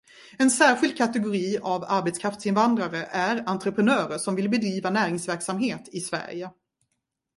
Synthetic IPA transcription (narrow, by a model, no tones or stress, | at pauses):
ɛnsæːɾɧɪld̪̚kʰat̪ɛɡʊɾiːavaɾbɛt̪skʰɾaft̪sɪnvand̪ɾaɾəʔæɾant̪ɾəpʰɾənœːɾəʂɔmvɪlbɛd̪ɾiːvanæːɾɪŋsvæɾksamɦeːt̪ʰɪsvæ̰ɾjə